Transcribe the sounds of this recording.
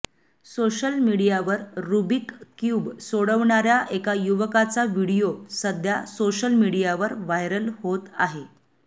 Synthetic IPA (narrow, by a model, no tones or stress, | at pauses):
soɕəlmiɽijaʋəɾːubikkjuːbsoɽəʋɳaɾjaʔekajuʋəkat͡saʋiɽijosəd̪ʱjasoɕəlmiɽijaʋəɾʋajɾəlɦot̪aɦe